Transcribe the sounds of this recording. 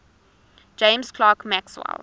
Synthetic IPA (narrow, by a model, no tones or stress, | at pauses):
d͡ʒẽɪ̃mskʰlɑːkmækswa̰l